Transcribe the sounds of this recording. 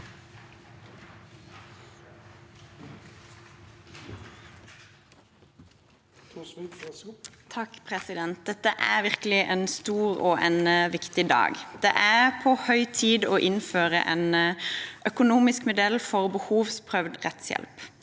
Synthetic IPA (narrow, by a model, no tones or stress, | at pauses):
t̪ʰɑkpʰʁɛsɪd̪ɛnt̪̚d̪ɛt̪ːəʔæ̰ːʁʋɪʁkəlɪʔeːnst̪uːʁo̰ːʔɛnəʋɪkt̪ɪd̪ɑ̰ːɡd̪̥eːʔæʁpʰoːhœʏt̪ʰiːd̪oːʔɪnføːʁə̰ʔenəʔœkʊnuːmɪskmʊd̪ɛlfɔʁbəhuːʋspʰʁœʋd̪ʁɛ̰t̪sjɛ̰lp